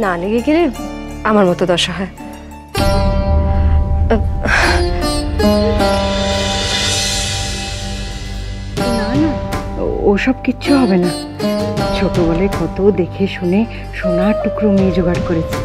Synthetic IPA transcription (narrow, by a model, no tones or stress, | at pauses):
naleɡeɡeleamaɾmɔt̪od̪ɔʃaɦɔe | nana̰ | o̰ʃɔb̚kitːɕʰuɦɔbena | t͡ʃʰokɾobɔlekɔt̪od̪ekʰeʃune | ʃonaɾʈukɾomid͡ʑoɡaɾkoɾet͡ɕʰe̥